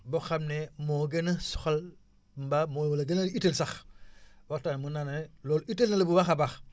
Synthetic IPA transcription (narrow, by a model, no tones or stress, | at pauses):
boxamnemoɡenaso̥xal | mbamowolaɡenaɾiitelsax | waktanmunanaelolitelnaləbubaxabax